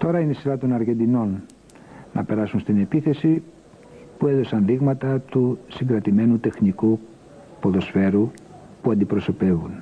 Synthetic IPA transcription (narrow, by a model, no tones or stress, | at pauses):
t̪o̞ɾɐinesiɾɐt̪o̞nɐɾʝe̞nd̪ino̞nː | ʔɐpe̞ɾɐsunst̪ine̞piθe̞si | pue̞ðo̞sɐnðiɣmɐt̪ɐt̪usiŋɡɾɐt̪ime̞nut̪e̞xniku | po̞ðo̞sfe̞ɾu | puɐnd̪ipɾo̞so̞pe̞vun